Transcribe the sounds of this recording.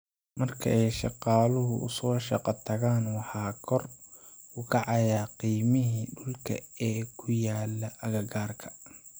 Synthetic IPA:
mɐrkʰɐ̰ʔɛjʃɑqɑːlʊɦʊʔʊ̰sɔːʃɑqɑt̪ʰɐɣaːnwɑħɑːkʰɔr | ʊkʰɑʕɑjaːqiːmɪɦiːɖʊlkʰɐ̰ɛːkʰʊjaːlːɐʔɐɣɐɡaːrkʰɐ̥

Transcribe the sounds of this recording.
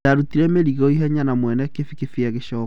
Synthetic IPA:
aɾutiɾɛmeɾiɣɔiɦɛɲanamwɛnɛkefikefiaɣeʃɔːk

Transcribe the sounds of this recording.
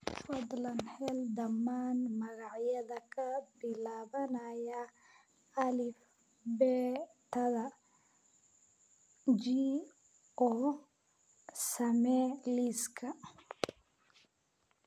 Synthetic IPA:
fɔd̪lɐnħɛld̪ɐmːaːnmɐɣɑʕjɐðɐkʰɐbɪlaːβɐnɐjɐː | lɪf | bɛːt̪ʰɐðɐ | d͡ʒiː | ɔ | sɐmɛliskʰɐ

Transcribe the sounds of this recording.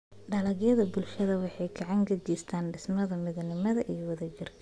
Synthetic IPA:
ɖɐlɐɣjɐðɐbʊlʃɐðɐwɑħɑjɡɐʕɑŋkʰɐt͡ʃiːst̪ʰaːnɖɪsmɐðɐmɪðlnɪmɐðɐʔijɔwɐðɐd͡ʒɪrkʰɐ

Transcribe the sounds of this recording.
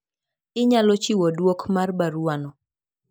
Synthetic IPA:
ɪɲalɔt͡ʃiwɔdwokmarbaɾwanɔ

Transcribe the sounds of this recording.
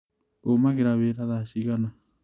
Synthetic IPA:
omakeɾaβeɾaðaʃiɣana

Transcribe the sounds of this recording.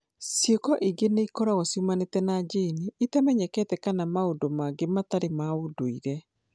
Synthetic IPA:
sjekɔʔiɡeneikɔɾaɣɔsiumanetɛnad͡ʒeniitamɛɲɛkɛtɛkanamaodomaɡemataɾemaodoiɣɛ

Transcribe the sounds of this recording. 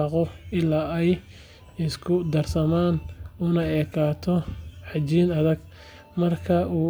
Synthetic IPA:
ɑqɔɪlaːɛj | ɪskʰʊd̪ɐrsɐmaːnʊnɐɛːkʰaːt̪ʰɔħɑt͡ʃiːnɐðɐɡ | mɐrkʰɐʔuː

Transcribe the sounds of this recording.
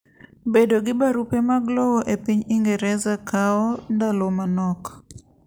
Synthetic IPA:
bedoɡɪbaɾupemaɡlɔwɔʔepiɲiŋɡɛɾɛzakaɔndalɔmanɔk

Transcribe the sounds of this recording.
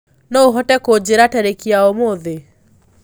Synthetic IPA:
nɔoɦɔtɛkod͡ʑeɾatɛɾekiaomoðe

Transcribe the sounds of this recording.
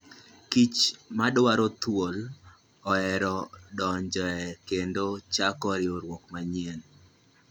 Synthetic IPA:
kit͡ʃmadwaɾot̪wol | ɔɛɾɔdɔɲd͡ʒɔɛkendot͡ʃakɔɾɪoɾwokmaɲɛn

